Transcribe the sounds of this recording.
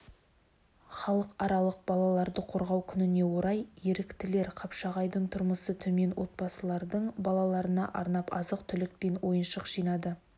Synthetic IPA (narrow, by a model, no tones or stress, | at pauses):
χɑlˠəqɑɾɑlˠəq̚bɑlˠɑlˠɑɾd̪əqʰo̞ɾʁɑwkʲʰʏnɪne̞wo̞ɾɑjje̞ɾɪkt̪ɪle̞ɾqʰɑpʃɑʁɑjd̪əɴt̪ʰʊɾməsət̪ʰɵme̞nwo̞t̪̚bɑsəlˠɑɾd̪əɴbɑlˠɑlˠɑɾənɑʔɑɾnɑpɑzəqt̪ʰʏlɪk̚pe̞nwo̞jənʃəqʒ̥ijnɑd̪ə